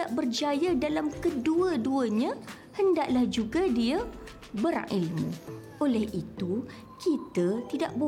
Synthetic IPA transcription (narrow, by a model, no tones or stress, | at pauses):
aʔbərd͡ʒajadalamkəduəduəɲã | həndaʔlahd͡ʒuɡadia | bəɾã̰ŋʔilmṵ̃ | olɛhʔit̪u | kit̪ət̪idaʔbo